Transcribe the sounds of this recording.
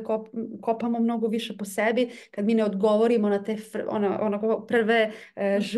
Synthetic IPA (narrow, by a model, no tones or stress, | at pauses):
kopkopamomno̞ɡoʋiʃeposɛbikad̪miːneod̪ɡo̞ʋoɾimonat̪efo̰naʔonakopr̩ʋeʒ